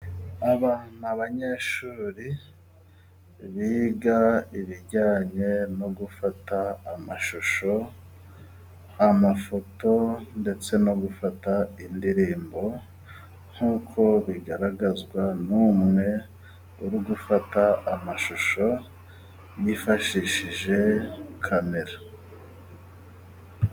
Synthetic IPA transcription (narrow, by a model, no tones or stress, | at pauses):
aβan̥aβaɲe̞ːʃuːɾi | βiːɡaiβiɟaːɲe̞no̞ɡufataːmaʃuʃo̞ | amafo̞to̞nde̞t͡se̞no̞ɡufataindiɾiːmbo̞ | ŋ̥huːkʰo̞βiɡaɾaɡazɡwanuːmŋe̞ | uɾuɡufataamaʃuʃo̞ | jifaʃiʃiʒe̞kʰame̞ɾa